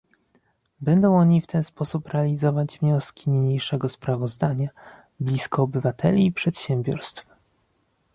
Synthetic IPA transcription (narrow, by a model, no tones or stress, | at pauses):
bɛnd̪ɔ̃w̃ɔɲift̪ʰɛnspɔsupɾɛalʲizɔvad͡ʑvɲɔskʲiɲiɲejʂɛɡɔspɾavɔzd̪aɲa | blʲiskɔːbɘvat̪ʰɛ̰lʲiːpʂɛt̪ɕɛmbʲjɔ̰ɾst̪f